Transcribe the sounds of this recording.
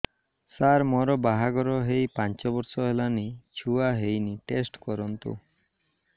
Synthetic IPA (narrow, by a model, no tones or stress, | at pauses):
saɾmɔɾɔbaɦaɡɔɾɔɦejpant͡ʃɔbɔɾsɔɦelanit͡ʃʰuaɦejniʈesʈkɔɾɔnt̪ṵ